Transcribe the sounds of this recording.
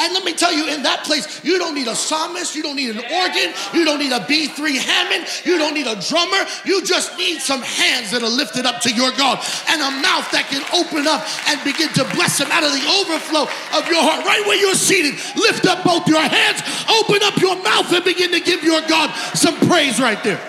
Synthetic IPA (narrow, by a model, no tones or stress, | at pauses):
ɨ̃nlɛt̚mitʰɛlˠjɨɪ̃nðət̚pʰl̥eɪs | jɨɾõʊ̃nːiɾəsɑmɨsjɨdɾõʊ̃nːiɾɨ̃n̩ɔɹɡɨ̃njɨɾõʊ̃nːiɾəbiθɹihæmɨ̃njɨɾõʊ̃nːiɾədɹʌmə˞ | jɨd͡ʒʌsnid̥sʌ̃mhæ̃ndzðɨɾə˞lɪftɨɾʌp̚tʰɨjə˞ɡɑɾʔɨ̃nəmaʊθðɨt̚kɨ̃noʊpɨ̃nʌp̚ɨ̃nbɨɡɪ̃ntʰɨblɛsðɨ̃maʊɾʌvðioʊvə˞floʊʔʌvjə˞hɑɹt̚ɹaɪt̚weɪjə˞siɾɨd̚ | lɪftʌp̚b̥oʊθjə˞hæ̃nz̥ʔoʊpɨ̃nʌpjə˞maʊθɨ̃nbɨɡɪ̃ntɨɡɪvjə˞ɡɑd̥̚sʌ̃mpʰɹ̥eɪzɹaɪt̪̚ðə˞